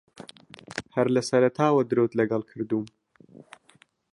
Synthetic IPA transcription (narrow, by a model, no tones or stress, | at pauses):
hɐɾlɐsɐɾɐt̪ʰaːwɐd̪ɨɾot̪lɐɡɐlˠkʰɨɾd̪uːm